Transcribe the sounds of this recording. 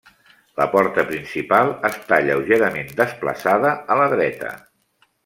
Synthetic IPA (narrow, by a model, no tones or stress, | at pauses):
ləpɔɾt̪əpɾinsipalˠəst̪aʎəwʒeɾəmend̪əsplə̰saðəələðɾɛt̪ə̰